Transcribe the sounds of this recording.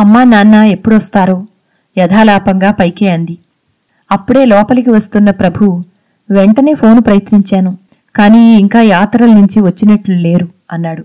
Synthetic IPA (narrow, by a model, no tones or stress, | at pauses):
ɐmːaːnaːnːae̞pːuɽʋɐst̪aːɾoː | jɐd̪ʱaːlaːpɐŋɡaːpɐjkeːɐnd̪i | ɐpːuɽe̞ːlɔːpɐlɐkiʋɐst̪unːɐpɾɐbʱu | ʋeɳʈɐne̞ːpʰo̞ːnupɾɐjɐt̪niɲt͡ʃaːnu | kaːniːiŋkaːjaːt̪ɾɐlnuɲt͡ʃiʋɐt͡ʃːinɐʈlule̞ːɾu | ɐnːaːɽu